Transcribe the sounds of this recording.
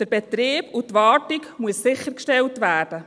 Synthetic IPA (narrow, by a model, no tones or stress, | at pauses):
d̥əɾbɛt̪ɾeːb̥ʊtːʋɑːtikmuəsːɪχəɾkʃtɛltʋæːɾd̥ə